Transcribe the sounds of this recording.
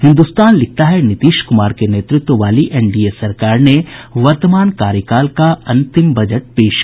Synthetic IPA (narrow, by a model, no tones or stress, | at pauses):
hɪ̃nd̪ust̪aːnlɪk̚t̪aɦɛnɪt̪iːʃkʊmaːɾkeneːt̪ɾɪt̪wəʋaːliʔɛːnɖiːesɐɾkaːɾneʋɐɾt̪əmaːnkaːɾjəkaːlkaɐ̃nt̪ɪmbɐd͡ʒəʈ̚peːʃ